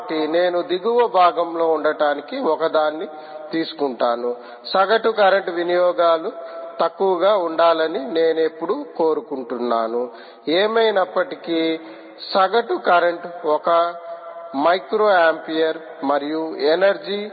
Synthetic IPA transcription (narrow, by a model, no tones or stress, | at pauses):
ʈine̞ːnud̪iɡuʋɐbʱaːɡɐmlo̞ːuɳɖɐʈaːnikiɔkɐd̪aːnːi | t̪iːsu̥kuɳʈaːnu | sɐɡɐʈukɐɾɐɳʈʋinijɔːɡaːlut̪ɐkːuʋɐɡaːuɳɖaːlɐnine̞ːnepːuɽuko̞ːɾukuɳʈunːa̰ːnu | eːmɐjnɐpːɐʈiki | sɐɡɐʈukɐɾɐɳʈɔkɐ | mɐjkɾoːaːmpijɐɾ | mɐɾijuenɐɾd͡ʒiː